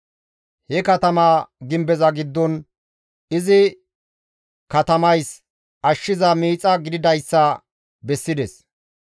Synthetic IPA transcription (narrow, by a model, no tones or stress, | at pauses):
hɛkɐt̪ɐmaːɡɪmbɛzɐɡɪd̪ːɔn | ɪzɪ | kɐt̪ɐmɐjs | ɐʃːɪzɐmiːt͡sʼːɐɡɪd̪ɪd̪ɐjsːɐ | bɛsːɪd̪ɛs